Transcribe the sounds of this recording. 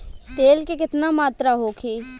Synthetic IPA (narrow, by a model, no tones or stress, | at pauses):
t̪eːlkekɪt̪namaːt̪ɾaɦoːkʰeː